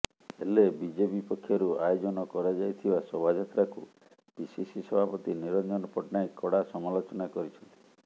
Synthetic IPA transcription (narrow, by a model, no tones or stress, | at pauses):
elebid͡ʒebipɔkʰːjɔɾuajod͡ʒɔnɔkɔɾad͡ʒajt̪ʰibasɔbʱad͡ʒat̪ɾakṵ | bisisisɔbʱapɔt̪iniɾɔnd͡ʒɔnɔpɔʈnajkɔɽasɔmalot͡ʃɔnakɔɾit͡ʃʰɔnt̪i̥